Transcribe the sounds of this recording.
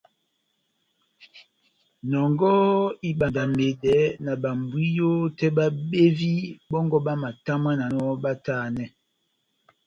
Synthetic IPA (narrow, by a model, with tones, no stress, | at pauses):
nɔ˨ŋɡɔ˦i˦ɓa˨nda˨me˨dɛ˨˦na˨ba˨m˨bwi˦jo˦tɛ˦ba˦ɓe˦vi˦bɔ˦ŋɡɔ˦ɓa˦ma˨ta˦ma˦na˨nɔ˦ba˦ta˦˨nɛ˨